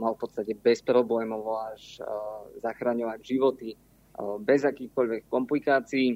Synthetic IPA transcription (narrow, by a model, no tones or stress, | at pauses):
malˠfpɔt̪st̪acɛbɛspɾɔblɛːmɔʋɔaʃ | zaxɾaɲɔʋaɟʒiʋɔt̪i | bɛzakiːxkɔʎʋɛkːɔmplikaːt͡siː